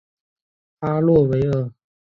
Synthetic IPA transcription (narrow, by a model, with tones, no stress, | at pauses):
t̪ʰa˥lwɔ˥˩we˧˥ɪɤ˥˩